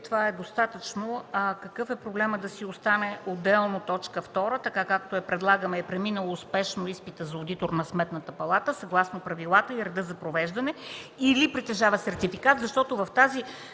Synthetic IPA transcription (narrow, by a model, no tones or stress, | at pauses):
t̪ovaɛd̪ost̪at̪ət͡ʃnoəkɐkɤfɛpɾoblɛməd̪ɐsiost̪anɛod̪ɛlˠnot̪ɔt͡ʃkəft̪ɔɾət̪ɐkakak̚t̪oɛpɾɛd̪lˠaɡəmɛːpɾɛminəlˠoːspɛʃnoispit̪əzɐod̪it̪oɾnɐsmɛt̪nət̪əpɐlˠat̪əsɐɡlˠasnopɾɐvilˠat̪əiɾɛd̪ɤzɐpɾovɛʒd̪ɐnɛilipɾit̪ɛʒavəsɛɾt̪ifikat̪zɐʃt̪ɔt̪ovɐft̪azi